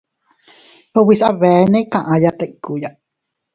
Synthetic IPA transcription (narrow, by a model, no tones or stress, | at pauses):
howisʔaβɛnɛkãʔajat̪eʔkuja